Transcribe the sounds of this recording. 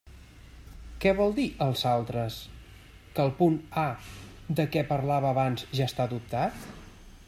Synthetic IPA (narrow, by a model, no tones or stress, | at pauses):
kɛβɔlˠd̪iʔəlˠzalˠt̪ɾəs | kəlˠpuna | d̪əkɛpəɾlaβəːβanzʒast̪ad̪up̚t̪at̪